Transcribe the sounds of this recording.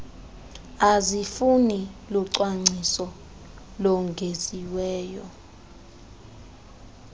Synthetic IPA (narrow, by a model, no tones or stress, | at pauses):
azifunilɔǀwaŋ͡ǀʱisɔ | lɔŋɡʱeziwɛːjɔ